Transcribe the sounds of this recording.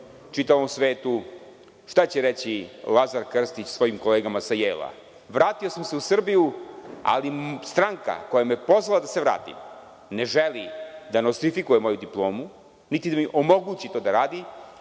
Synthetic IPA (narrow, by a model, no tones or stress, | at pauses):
t͡ʃit̪aʋomsʋe̞ːt̪u | ʃt̪at͡ɕeɾet͡ɕilˠazaɾkr̩st̪it͡ɕsʋo̞jimko̞le̞ːɡamasajeːlˠa̰ | ʋɾaːt̪io̞samse̞usr̩bijua̰list̪ɾaŋka̰ko̞jameepo̞zʋalad̪ase̞ʋɾa̰ːt̪ḭm | ne̞ʒelid̪anost̪ɾifikujemo̞jud̪iplˠo̞ːmu | nit̪id̪amiʔo̞mo̞ɡuːt͡ɕit̪o̞ːd̪aɾaːd̪i